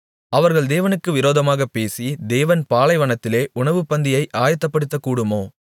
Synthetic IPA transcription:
ɐʋɐɾɣɐɭd̪eːʋɐnɯkːɯʋɪɾoːðɐmaːɣɐpːeːsid̪eːʋɐnpaːlɐɪʋɐɳɐt̪ːɪleːʔʊɳɐʋɯpːɐnd̪ɪjɐɪʔaːjɐt̪ːɐpːɐɽɯt̪ːɐkːuːɽɯmoː

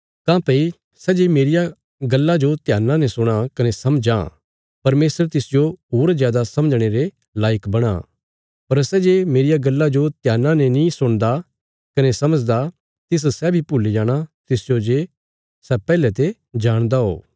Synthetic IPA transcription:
t̪ãːpɐi | sɛd͡ʒemeːɾɪja | ɡɐlːad͡ʒot̪jaːnːãnẽsʊɽ̃akɐnesɐmd͡ʒã̰ | pɐɾmeːsəɾt̪ɪsd͡ʒoɦoːɾzjaːd̪asɐ̃məd͡ʒɽ̃eɾe | laːjəkbɐɽ̃a̰ | pɐɾsɛd͡ʒemeːɾɪjaɡɐlːad͡ʒot̪jaːnːãnẽnĩsʊɽ̃d̪a | kɐnesɐməd͡ʒd̪a | t̪ɪs̬sɛbʱipʊlid͡ʒaːɽ̃at̪ɪsd͡ʒod͡ʒe | sɛpɛːlɛt̪e | d͡ʒaːɽ̃d̪aɦo̰ː

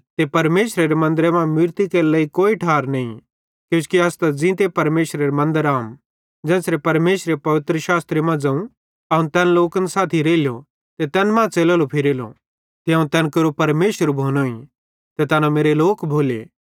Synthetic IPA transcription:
t̪epɐɾmeːʃɾeɾemɐ̃nd̪əɾemãmɪɾt̪ikeɾlɛːikoːiʈʰaːɾnɐḭ̃ | kjũːskiɐst̪ad͡zĩt̪epɐɾmeːʃɾeɾemɐ̃nd̪əɾaːm | d͡zɛ̃ːsɾepɐɾmeːʃɾepɐʋɪt̪ɾəʃaːst̪ɾemãd͡zɐ̃ũ | ɐũt̪ɛːnloːkənsaːt̪ʰiɾeːljo | t̪et̪ɛːnmãt͡seːlaːlopʰɪɾeːlo̰ | t̪eãːũt̪ɛ̃ːnkɐɾopɐɾmeːʃəɾbʱoːnoːḭ̃ | t̪et̪ɐːnameːɾeloːkbʱoːlḛː

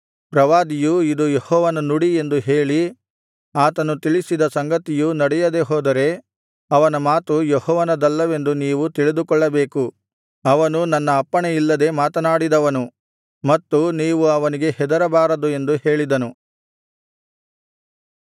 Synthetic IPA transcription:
pɾɐʋaːd̪ijuid̪ujehɔːʋɐnɐnuɽie̞nd̪uɦeːɭi | aːt̪ɐnut̪iɭisid̪ɐsɐŋɡɐt̪ijunɐɽɛjɐd̪e̞ɦoːd̪ɐɾe̞ | ɐʋɐnɐmaːt̪ujehɔːʋɐnɐd̪ɐlːɐʋe̞nd̪uniːʋut̪iɭid̪ukɔɭːɐbe̞ːku | ɐʋɐnunɐnːɐːpːɐɳeilːɐd̪e̞maːt̪ɐnaːɽid̪ɐʋɐnu | mɐt̪ːuniːʋuɐʋɐniɡe̞hɛd̪ɐɾɐbaːɾɐd̪ue̞nd̪uhe̞ːɭid̪ɐnu

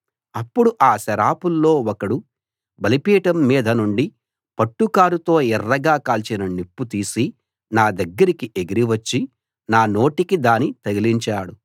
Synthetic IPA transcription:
ɐpːuɽuʔaːsɐɾaːpulːo̞ːwɔkɐɽu | bɐlipiːʈɐmːiːd̪ʱɐnuɳɖi | pɐʈːukaːɾut̪o̞ːɛrːɐɡaːkaːlt͡ʃinɐnipːut̪iːsi | naːd̪ɐɡːɐɾikiʔeɡiɾiʋɐt͡ʃːi | naːno̞ːʈikid̪aːnit̪ɐɡiliɲt͡ʃaːɽu

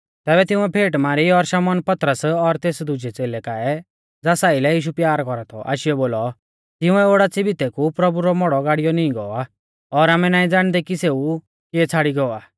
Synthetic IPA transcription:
t̪ɛːbɛt̪ɪ̃ʊ̃ɛpʰeːʈmaːɾiɔɾʃaːmɔːnpɐt̪ɾəsɔɾt̪eːsd̪ʊd͡ʒɛt͡seːlɛkaːɛ | d͡zaːsaːilɛjiːʃ̬upjaːɾkɔɾat̪ʰɔʔa̰ːʃɪɛboːlɔ | t̪ɪʊ̃ɛoːɽat͡sɪbit̪ɛkupɾɐbuɾɔmɔɽɔɡaːɽijɔnĩĩɡɔa | ɔɾaːmɛnaːĩd͡zaːɽ̃d̪ɛkiseːu | kiɛt͡sʰaːɽiɡɔaː

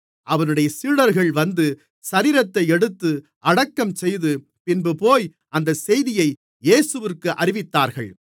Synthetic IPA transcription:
ʔɐʋɐnɯɽɐjɐsiːɽɐɾɣɐɭʋɐnd̪ɯ | sɐɾiːɾɐt̪ːɐɪɛɽɯt̪ːɯ | ʔɐɽɐkːɐmsɛjðɯ | pɪnbɯpoːj | ʔɐnd̪ɐsɛjðɪjɐɪ | eːsɯʋɪrkɯʔɐɾɪʋɪt̪ːaːɾɣɐɭ

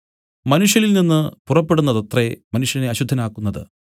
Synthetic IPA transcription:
mɐnuʂjɐlilninːɨpurɐpːe̞ɽunːɐðɐt̪remɐnuʂjɐneɐɕud̪ʱːɐnaːkːunːɐðɨ̰

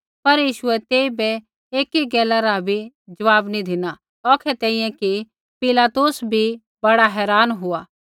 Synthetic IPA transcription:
pɐɾjiːʃʊɛt̪eːibɛ | eːkiɡɛːlaɾabʱi | d͡ʒɐʋaːbnĩd̪ʱɪna | ɔːkʰɛt̪ɛːĩjɛ̃ki | pɪlaːt̪ʊsbʱi | bɐɽaɦɛːɾaːnɦʊaː

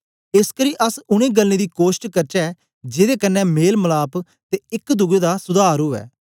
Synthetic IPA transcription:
ɪskəɾĩːʔəsʊɽ̃ẽːɡəlnẽːd̪iːkoːʃʈkəɾt͡ʃɛɛː | d͡ʒeːd̪eːkənːɛ̃ːmeːlməlaːp | t̪eːɪkd̪ʊɡeːd̪aːsʊd̪ʱaːɾoːɛ̰ː

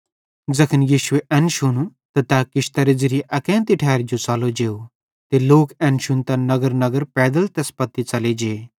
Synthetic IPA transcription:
d͡zɐkʰənjiːʃʊeʔɛnʃʊnut̪ɐt̪akɪʃt̪ɐɾɪd͡zɪɾiʔɐkɛ̃ːnt̪iʈʰɛːɾd͡ʒot͡saːlod͡ʒeːo | t̪eloːkɛ̃ːnʃʊnt̪ɐnɐɡəɾnɐɡəɾpɛːd̪əlt̪ɛspɐt̪ːit͡sɐled͡ʒeː

